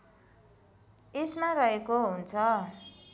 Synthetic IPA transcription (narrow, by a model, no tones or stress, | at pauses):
esmarʌɦekoɦunt͡sʰʌ